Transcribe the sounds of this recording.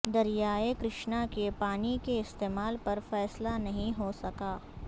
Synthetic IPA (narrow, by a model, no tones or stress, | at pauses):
d̪ɐɾijaːekɾɪʃnakepaːnikeɪst̪eːmaːlpɐɾfɛːslanɐɦĩɦosɐkaː